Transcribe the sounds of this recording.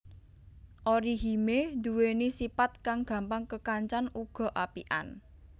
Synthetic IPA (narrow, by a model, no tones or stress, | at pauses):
ʔoɾiɦimed̪uwenisipat̪̚kaŋɡ̥ä̤mpaŋkəkaɲt͡ʃanuɡ̥ɔ̤ʔapiʔa̰n